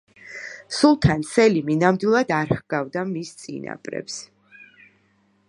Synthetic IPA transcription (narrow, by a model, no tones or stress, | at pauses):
sulˠt̪ʰansɛliminamd̪wilˠad̪aɾhɡavd̪amist̪sʼḭna̰pʼɾɛ̰ps